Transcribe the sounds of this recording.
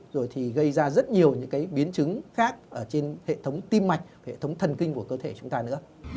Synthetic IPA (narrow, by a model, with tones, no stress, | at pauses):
zo˨˩jt̪ʰi˨˩ɣə˧jzaː˧zə˦˥t̚ɲi˨˩əwɲɨ̰˧˥ŋkaː˨˦jɓi˨˦ənt͡ɕɨ˨˦ŋxaː˦˥k̚ʔəː˧˩t͡ɕe˧nhḛ˧˨t̪ʰə˨˦wŋ͡mt̪i˧mːa˨˩jk̟̚hḛ˧˨t̪ʰə˨˦wŋ͡mt̪ʰə˨˩nkï˧ŋ̟ku˧˩kəː˧t̪ʰe˧˩t͡ɕʊ˨˦ŋ͡mt̪aː˧nɨ̰˧˥ə